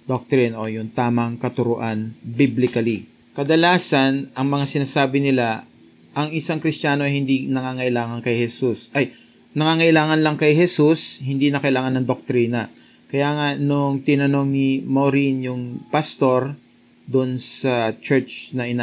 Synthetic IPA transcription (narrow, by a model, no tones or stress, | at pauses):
d̪ok̚t̪ɾinʔojʊŋt̪aːmɐŋkɐt̪ʊɾʊʔanbiblɪkɐli | kɐd̪ɐlaːsɐnʔɐŋmɐŋasɪnaːsaːbɪnɪla | ʔɐŋɪsaŋkɾɪst̪aːno̞ɐjhɪnd̪inɐŋaŋɐʔɪlaːŋɐŋkɐjhɛsusʔɐj | nɐŋaːŋɐʔɪlaːŋɐnlɐŋkɐjɦɛsushɪnd̪inɐkɐʔɪlaːŋɐnɐŋd̪ok̚t̪ɾinɐ | kɐjaːŋɐnoŋt̪ɪnɐno̞ŋnɪmoɾinjʊŋpast̪o̞ɾ | d̪onsɐt͡ʃɛɹt͡ʃnɐʔɪna